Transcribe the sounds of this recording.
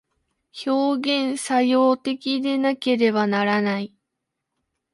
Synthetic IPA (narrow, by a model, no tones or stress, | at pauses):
ço̞ːɡẽ̞ɰ̃sajo̞ːt̪e̞kʲid̪e̞nake̞ɾe̞βanaɾanai